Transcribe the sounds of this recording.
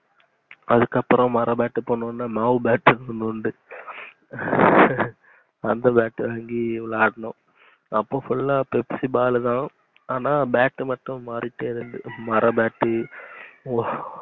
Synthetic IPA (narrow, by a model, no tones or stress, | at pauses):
ɐðɯkːɐpːɯɾɔ̃mɐɾɐbaːʈːɯpoːɳːɯnːaːmaːʋbaːʈːɾɯnɯʊɳɖɯ | ɐnd̪ɐbaːʈːɯʋaːŋɡilaːɽɐnʊ̃ | ɐpːoːfʊlːaːpɛpsibaːlɯt̪ãː | aːnaːbaːʈːɯmɐʈːʊ̃ʋɐɾɪʈːeɪɾɯðɯ̰mɐɾʔɐbaːʈːɯ